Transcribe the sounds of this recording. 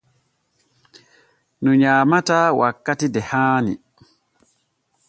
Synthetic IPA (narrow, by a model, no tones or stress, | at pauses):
nɔɲaːmataːwakːatidɛhaːnḭ